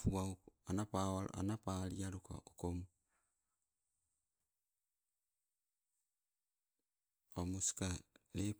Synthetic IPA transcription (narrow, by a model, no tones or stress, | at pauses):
fuwauanapawal̰ʔa̰napaːlijaɾuka̰okom | omuskalep